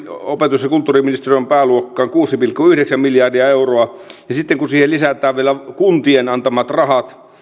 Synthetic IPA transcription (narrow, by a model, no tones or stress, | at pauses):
opet̪usjɑkult̪ːuːriminist̪eriompæːluokːɑːŋkuːsipilkːuyhɾeksæmmiljɑrdiɑeuroɑjɑsit̪ːeŋkunsiːhellisæt̪ˑæːʋʋielækunt̪ienɑnt̪ɑmɑt̪rɑhɑt̪